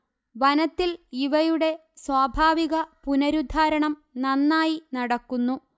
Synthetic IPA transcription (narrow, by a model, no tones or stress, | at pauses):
ʋɐnɐt̪ːiliʋɐjuɽe̞ | swaːbʱaːʋiɣɐpunɐɾud̪ʱaːɾɐɳɐmnɐnːaːjinɐɽɐkːunːu